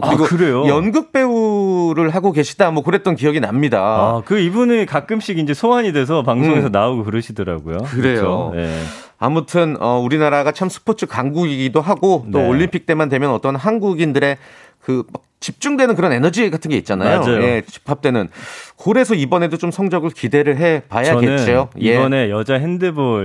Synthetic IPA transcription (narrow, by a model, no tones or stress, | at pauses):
kɯɾiɡokɯɾe̞jojʌnɡɯk̚p͈e̞uɾɯɭɦaɡoɡe̞ɕʰi̥damwʌkoɾet̚t͈ʌnkijʌɡina̰mɲidaakɯibunikak͈ɯmɕ͈iɡind͡ʑe̞sʰoaɲide̞s̬ʰʌpaŋsʰoŋe̞sʰʌnaoɡokɯɾɯɕʰidɯɾa̰ɡojokkɯɾejo̰jḛ | a̰mutʰɯnʌuɾinaɾaɡat͡ɕʰamsʰɯ̥pʰot͡ɕʰɯkaŋɡuɡiɡidoɦaɡot͈ooʎːimpʰik̚t͈e̞mandwe̞mjʌnʌt͈ʌnɦanɡuɡindɯɾe̞ | kɯmak̚t͡ɕip̚t͡ɕ͈uŋdwe̞nɯnkɯɾʌne̞nʌd͡ʑiɡatʰɯnɡe̞it̚t͡ɕ͈anajojjet͡ɕi̥pʰap̚t͈e̞nɯnkoɾe̞sʰʌibʌne̞dot͡ɕomsʰʌŋd͡ʑʌɡɯɭkide̞ɾɯɭɦe̞pajaʌeɯnt͡ɕ͈iojebʌne̞jʌd͡ʑaɦendebo